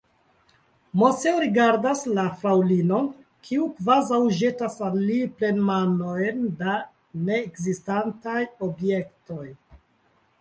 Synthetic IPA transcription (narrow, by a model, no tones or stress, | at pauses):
mo̞seoɾiɡaɾdaslafɾawlino̞ | kʰiukvazawʒe̞tasanlːiple̞nmano̞jnda | ne̞ːkzistantajo̞bje̞kto̞j